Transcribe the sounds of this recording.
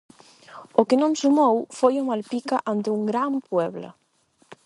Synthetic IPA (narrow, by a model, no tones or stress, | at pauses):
okenõŋsumowfojomalpikaʔant̪euŋɡɾampwɛβlɐ̰